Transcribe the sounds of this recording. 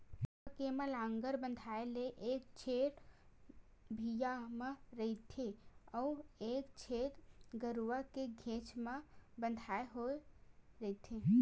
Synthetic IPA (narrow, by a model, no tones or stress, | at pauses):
kemə̃lãːŋɡəɾbə̃nd̪ʱaeleʔeːk̚t͡ʃʰeːʈ | bʱijamẽɾəit̪ʰeɔeːkt͡ʃʰeːʈ̪ɡəɾuʋakeɡʱẽːt͡ʃmebə̃nd̪ʱaːeɦoeɾəit̪ʰe